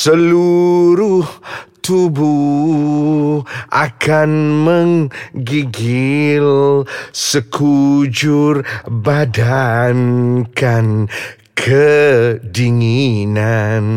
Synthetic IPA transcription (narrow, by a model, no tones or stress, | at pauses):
səluɾuht̪ubu | ʔakanməŋɡiɡilsəkʰud͡ʒʊrbadankan | kʰə | diŋinan